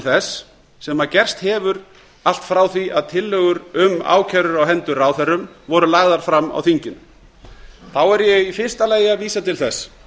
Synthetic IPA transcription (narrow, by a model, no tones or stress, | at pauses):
lθɛsː | ɛmacɛr̥st̪hɛːvʏɾ | al̥t̪fɾawθiʔaðt̪ʰɪlːœɣʏɾʏma̰ːwcʰaɾʏɾawɦɛnt̪ʏraːwθɛrːʏmvɔɾʏlaɣðaɾ̥fɾamːa̰wθiɲcɪn | θawɛɾjɛɣifɪ̥st̪aleːjaviːsat̪ʰɪlθɛs